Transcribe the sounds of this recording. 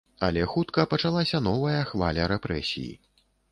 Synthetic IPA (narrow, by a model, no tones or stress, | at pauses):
ɐlʲɛxut̪kɐpɐt͡ʂalˠasʲɐnɔvɐjɐxvalʲɐɾɛpɾɛsʲḭjḭ